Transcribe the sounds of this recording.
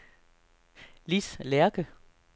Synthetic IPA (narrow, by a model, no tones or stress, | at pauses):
lislɛɐɡ̥ə